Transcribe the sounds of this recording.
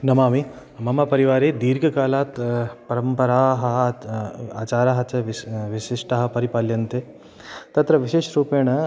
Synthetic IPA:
nɐmaːmi | mɐmɐpɐɾiʋaːɾeːd̪iːɾɡʱɐkaːlaːt̪pɐɾɐmpɐɾaːɦɐ̆ | aːt͡ʃaːɾaːɦɐt͡ʃɐʋʋiʃiʂʈɐɦɐ̆pɐɾipaːljɐnt̪e | t̪ɐt̪ɾɐʋiʃeːʃɾuːpeːɳɐ

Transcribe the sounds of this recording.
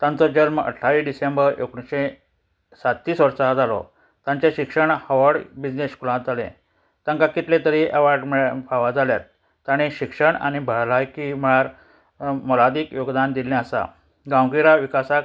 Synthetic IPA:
t̪ãnt͡sɔd͡ʑəɾmə̰ʈʰːaʋiɖisembəɾḛkɽĩɕẽ | sat̪ːiːsʋəɾsad͡zalɔ̰ | t̪ãɲt͡ɕeɕikʂəɳhəʋəɽbid͡ʑneskulãt̪̚d͡zalḛ̃ | t̪ãŋkakit̪lẽt̪əɾiʔəʋaɖmɭpʰaʋad͡zaljat̪ː | aɽ̃iɕikʂəɳa̰ɽ̃ibʱəɭlajkim̤əɭaɾ | mɔlad̪iːkjoɡd̪and̪ilɛ̃əsa̰ | ɡawɡiɾaʋikasak

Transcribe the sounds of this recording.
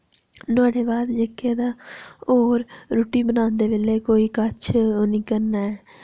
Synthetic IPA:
nʊaːɖeːbaːd̪d͡ʒekʰːeːd̪aːoːɾɾuːʈiːbənaːnd̪eːʋeleːkoːiːkət͡ʃʰoːnĩːkəɾnaːɛː

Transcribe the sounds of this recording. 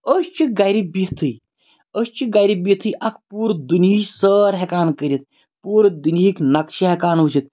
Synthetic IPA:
əst͡ʃʰiɡɐjɾibiɦt̪ʰɨj | əst͡ʃʰiɡajɾibit̪ʰɨjʔɐk̚ʰpuːɾd̪unisəːɾɦekaːnkəɾʲit̪̚ | puːɾd̪uniiknɐkʃiɦekaːnut͡ʃʰit̪̚

